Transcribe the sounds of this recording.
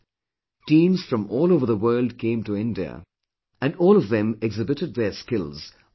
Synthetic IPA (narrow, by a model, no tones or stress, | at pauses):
tĩːmz̥fɹʌ̃mɔːlˠoʊvəðəwɜːld̚kʰẽɪ̃mtuɪ̃ndiə̰ | æ̃nɔːlˠɔvðɨ̃mɛɡzɪbɨtɨd̪̚ðəskɪlˠz̥